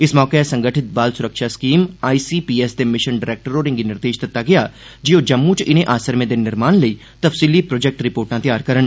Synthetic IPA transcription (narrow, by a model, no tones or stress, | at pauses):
ɪsmɔːkesɐ̃ŋɡəʈʰɪt̪̚baːlsʊɾəkʃaskiːmaːiːsiːpiːesd̪emɪʃənɖɪɾeːk̚ʈəɾoːɾɪ̃ŋɡinɪɾd̪eːʃd̪ɐt̪ːaɡɐjaː | d͡ʒɪod͡ʒɐmːũt͡ʃɪnẽʔaːsəɾmẽd̪enɪɾmaːnleiː | t̪ɐfsiːlipɾoːd͡ʒek̚ʈɾɪpoːɾʈãt̪jaːɾkɐɾən